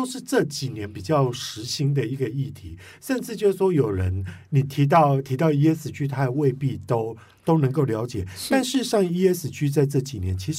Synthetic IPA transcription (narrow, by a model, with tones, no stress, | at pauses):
o˥ʊʂɻ̩˥˧ʈ͡ʂɤ˥˩t͡ɕi˨˩njɛ˧˥npi˨˩t͡ɕjɑ˥˩ʊʂɻ̩˧˥ɕi˧˥ŋd̪ə˨i˧˥ɡə˧i˥˩t̪ʰi˧˦ | ʂə˥˧nʈ͡ʂɻ̩˥˧t͡ɕjo˥˧ʊʂ̩˥˩ʂwɔ˥jo˨˩ʊɻə˧˦˥nni˨˩t̪ʰi˨˧˥t̪̬ɑ˥˩ʊt̪ʰi˧˥t̪ɑ˥˧ʊi˥ɛ˥sɹ̩˨˩t͡ɕʰy˥t̪ʰa˥d̪ə˨we˥˧ɪpi˥˧t̪o˥ʊ | t̪o˥ʊnɤ˧˥ŋko˥˩ʊljɑ˧˥ʊt͡ɕjɛ˨˩t̪a˥˧nʂɻ̩˥˧ʂɑ˥˩ŋi˥ɛ˥sɹ̩˨˩t͡ɕʰy˥t͡sa˥˧ɪʈ͡ʂɤ˥˩t͡ɕi˨˩njɛ˨˦nt͡ɕʰi˧˥ʂ